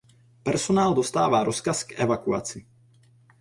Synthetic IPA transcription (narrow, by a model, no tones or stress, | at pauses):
pɛɾsɔnaːld̪ɔst̪a̰ːʋaɾɔskasɡɛʋakua̰ːt͡si